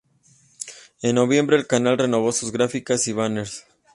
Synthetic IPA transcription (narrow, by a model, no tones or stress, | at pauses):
e̞nːo̞βje̞mbɾe̞ːlkanalre̞no̞β̞o̞suzɣɾafikasiβaneɾs